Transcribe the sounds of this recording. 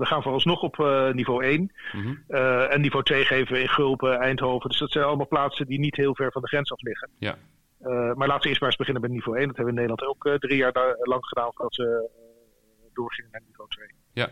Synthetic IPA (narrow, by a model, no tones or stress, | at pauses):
ʋəχaːnvʊːrɑnsnɔχɔpʰnivowejn | əɛnːivowtʋejχejvəʋəɪnχɵlˠpəɛjntɦowvəndɵsdɑtsɛjnɑləmaːlˠplaːtsəndinitɦɪːlˠvɛɹvɑndəχrɛnsɑflɪχən | maɹlaːtəʋəɪːɹstpaːəzbəχɪnənmbɛjətnivowejndɑtɦɛbəʋəɪnejdəlɑntowkːdrijaːɹlɑŋχədaːnvʊːɹdɑtʋə | dʊːɹχɪŋənaːɹnivowtʋej